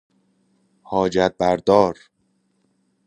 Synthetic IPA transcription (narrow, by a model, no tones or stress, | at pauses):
hɒːd͡ʒæt̪̚bæɾd̪ɒːɾ